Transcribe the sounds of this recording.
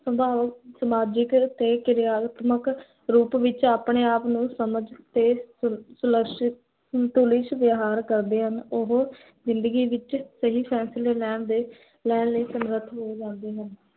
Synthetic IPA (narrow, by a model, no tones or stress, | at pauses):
səbʱaːʋəksəmaːd͡ʒɪkt̪eːkɪɾɪaːt̪mək | ɾuːpʋɪt͡ʃaːpɳeːaːpnũːsəməd͡ʒt̪eːsʊləkʃɪt̪ | t̪uːlɪʃʋjaɦaːɾkəɾd̪eːɦənʊɦ | zɪnd̪əɡiːʋɪt͡ʃsəɦiːpʰɛ̃ːsɪleːlɛːɳd̪eː | lɛːnləːsəmɾət̪ɦoːd͡ʒãːnd̪eːɦən